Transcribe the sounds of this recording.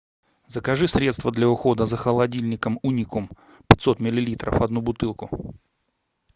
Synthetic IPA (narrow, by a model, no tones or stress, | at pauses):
zəkɐʐɨsɾʲe̞t̪st̪vəd̪lʲɐʊxo̞d̪əzəxəlˠɐdʲilʲnʲɪkəmunʲikʊm | pʲɪ̥t̪ʲso̞t̪mʲɪlʲɪlʲit̪ɾə̰fɐd̪nubʊt̪ɨlˠkʊ